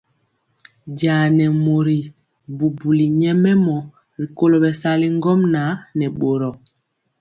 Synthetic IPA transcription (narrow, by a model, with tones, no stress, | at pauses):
ɟa˨nɛ˨mo˨ɾi˨ | bu˨bu˨li˨ɲɛ˦mɛ˦mɔ˨ | ɾi˨ko˦lo˨ɓɛ˨sa˦li˦ŋ˦ɡɔ˦mna˨˦nɛ˨ɓo˨ɾɔ˨